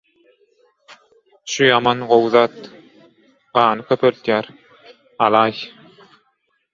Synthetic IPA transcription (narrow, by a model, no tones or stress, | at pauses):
ʃujɑmɑnɢowðɑːt̪ | ɢɑːnɯkʰøpʰølt̪jæːɾ | ɑlˠɑːj